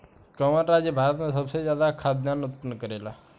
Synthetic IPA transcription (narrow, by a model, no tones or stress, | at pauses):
kəməɾɾaːd͡ʒjəbʱaːɾət̪mẽsəbsezjaːd̪akʰaːd̪naːnʊt̪̚pənːkəɾeːla̰ː